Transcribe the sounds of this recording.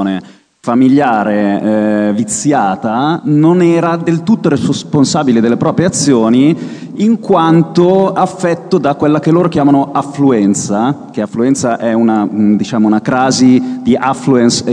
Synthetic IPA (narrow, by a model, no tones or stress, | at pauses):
ne | familjaːɾeɛvit̪sːjaːt̪anonɛːɾad̪elt̪ut̪ːoɾesponsaːbiled̪elːepɾɔːpɾjeat̪sːjoːniː | ŋkwant̪oafːɛt̪ːod̪akwelːakelːoːɾokjaːmanoafluɛnt̪sak̟eafluɛnt̪saʔɛunad̪it͡ʃaːmounakɾaːzid̪iʔafluɛns